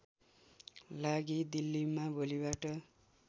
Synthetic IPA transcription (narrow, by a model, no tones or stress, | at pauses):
laɡid̪ilːimabolibaʈʌ